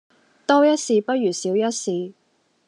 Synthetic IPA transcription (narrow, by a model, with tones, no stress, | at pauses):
t̪ɔː˥jɐ˥t̚siː˧pɐ˥t̚jyː˨˩siː˨˥wjɐ˥t̚siː˨˧